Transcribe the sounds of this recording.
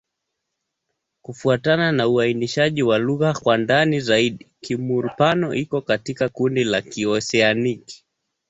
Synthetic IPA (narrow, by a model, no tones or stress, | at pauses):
kufuatananauainiʃaʄiwaluɣakwandanizaiɗikimuɾupanɔʔikɔkatikakundilakiɔsɛaniki̥